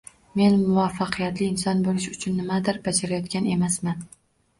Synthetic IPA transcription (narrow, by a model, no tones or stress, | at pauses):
me̞nmʊvafːɑqʰɨjat̪lɪɪnsɒnbolɪʃʊt͡ʃʰʊnːɪmad̪ɪɾbad͡ʒaɾajɒt̪̚kʲane̞masman